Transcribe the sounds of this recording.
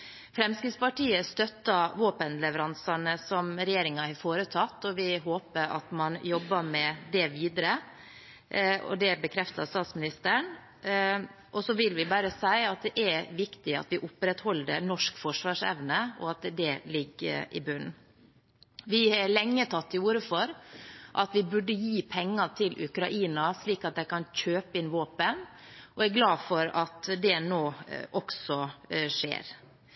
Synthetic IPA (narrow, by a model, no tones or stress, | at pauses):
fɾɛmskɾɪːd̪spɑʈiːəst̪œt̪ːɑʋoːpənlɛʋəɾɑnsɑnəsɔmɾɛjeːɾɪŋɑhɑɾfoːɾət̪ʰɑt̪ːɔʋɪɦoːpəɾɑ̰t̪mɑnjɔbːɑmɛd̪ɛʋiːd̪əɾə | ɔ̰d̪ɛbəkʰɾɛft̪ɑst̪ɑːt̪smɪnɪst̪əɳ | ʔɔsɔʋɪlʋɪbæːɾəsæɪɑt̪̚d̪ɛʔæɾʋɪkt̪ɪɑ̰t̪ʋɪʔʊpːɾɛt̪hɔld̪ənɔʂkfɔʂʋɑːʂɛ̰ʋnəɔ̰ɑt̪d̪ɛlɪɡːə̰ʔɪ̰bʉn | ʋɪhɑɭɛŋːət̪ʰɑt̪ːɪuːɾəfɔɾʔɑt̪ʋɪbʉɖːəjiːpʰɛŋːɑt̪ʰɪlʔʉ̰kɾɑʔiːnɑsliːkɑt̪̚d̪æɪkɑnc͡çøːpəɪnʋoːpənʔɔæɾɡlɑːfɔɾɑt̪d̪ɛnoːʔɔksɔʂḛːɾ